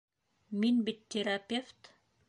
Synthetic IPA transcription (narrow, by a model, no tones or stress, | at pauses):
minbit̪ʲːeɾapʲeft̪